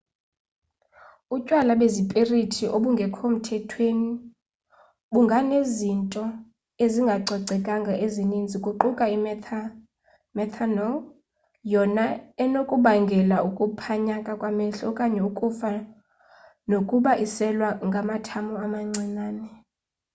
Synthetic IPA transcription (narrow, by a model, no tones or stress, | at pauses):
ucʼwalaɓezipʼeritʰiʔoɓuŋɡʱɛkʰom̩tʰɛtʰweni | ɓuŋɡʱanezintʼɔ | eziŋɡʱaǀʱɔǀʱɛkʼaŋɡʱaʔezinind͡zʱikʼuǃukʼaim | mɛt̪ʰanɔ | jɔnaɛnokʼuɓaŋɡʱɛlaukʼupʰaɲakʼakʼwamɛɬɔkʼaɲɛukʼufa | nokʼuɓaʔisɛlwaŋɡʱamatʰamuamaŋ͡ǀinaːnɛ